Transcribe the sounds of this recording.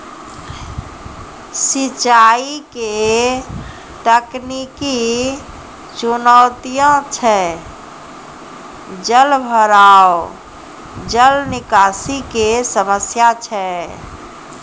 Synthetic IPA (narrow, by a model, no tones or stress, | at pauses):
sit͡ʃaike | t̪əkniki | t͡ʃunət̪ijõt͡ʃʰɛ | d͡ʒəlbʱəɾao | d͡ʒəlnɪkasikesəməsjat͡ʃʰɛ